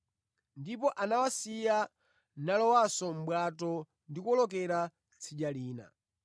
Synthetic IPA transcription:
ndip̬ɔʔanawasija | nalɔwasɔm̩ɓwatɔ | ndikuɔlɔk̬ɛɾa | t͡sʰiɗaliːna̰

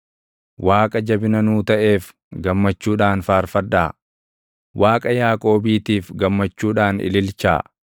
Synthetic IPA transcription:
wʔaːkʼɐd͡ʒɐbɪnɐnuːt̪ɐʔe̞ːf | ɡɐmːɐt͡ʃːuːᶑaːnfaːɾfɐd̪ːaː | wʔaːkʼɐjaːkʼo̞ːbiːt̪iːfɡɐmːɐt͡ʃːuːᶑaːnɪ̰lɪlt͡ʃa̰ː

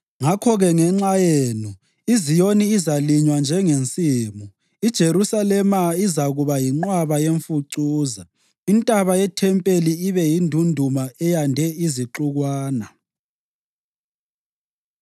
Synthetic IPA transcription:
ŋakʰɔɣɛŋɛŋ͡ǁajeːnu | izijoniːzaliɲwand͡ʒʱɛŋent͡sʼiːmu | id̥ʒ̥ʱeɾusalɛmaizaɣuβajiŋ͡ǃwaβajeɱfuǀuːza | intʼaβajɛtʰɛmpʼeliːβɛjindʱundʱumaɛjandʱɛiziǃuɣwaːna

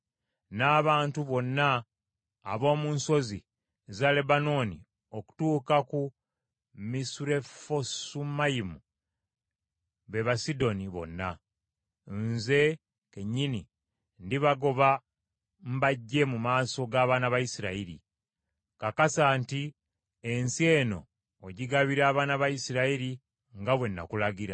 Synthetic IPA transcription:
naːβaːntuβo̞nːaː | βo̞ːmuːnso̞zi | zale̞bano̞ːnḭ | o̞ku̥tuːkaku | misuɾe̞fosumajimu | βe̞βasido̞niβo̞̰nːa̰ | nze̞ | ke̞ɲːini | ndiβaɡo̞βa | m̩baɟːe̞mumaːso̞ɡaːβaːnaβajisiɾaiɾḭ | kakasaːnti | e̞nsie̞ːno̞̰ː | ɟiɡaβiɾaːβaːnaβajisiɾaiɾi | ŋɡaβwe̞nːa̰kulaɡiɾa

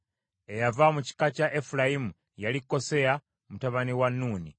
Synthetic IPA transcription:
ejavamuci̥kacaʔefulajimu | jalikːo̞se̞ja | mutaβaniwanːuːni

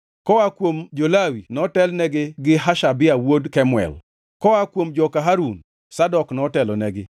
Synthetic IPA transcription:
kɔakwomd͡ʒolawinɔtɛlnɛɡɪɡɪɦaʃabɪawodkɛmwɛ̰l | kɔakwomd͡ʒɔkaɦaɾun | sadɔknɔtɛlɔnɛɡɪ

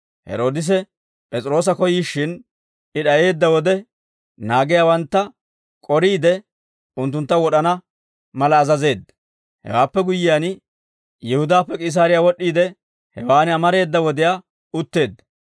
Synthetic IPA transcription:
hɛ̰ɾo̞ːd̪ɪs̬ɛ | pʼɛt͡sʼɾo̞ːs̬ɐkɔjiːʃːɪn | ɪɗɐje̞ːd̪ːɐwɔd̪ɛ | naːɡɪjaːwɐnt̪ːɐ | kʼɔɾiːd̪ɛ | ʊnt̪ːʊnt̪ːɐwɔɗɐnɐ | mɐlɐːzɐze̞ːd̪ːɐ | hɛ̰waːpːɛɡʊjːɪjan | jɛhʊd̪aːpːɛkʼɪs̬aːɾɪjawɔɗːiːd̪ɛ | hɛwaːnɪɐmɐɾe̞ːd̪ːɐwɔd̪ɪjaː | ʊt̪ːe̞ːd̪ːɐ̥

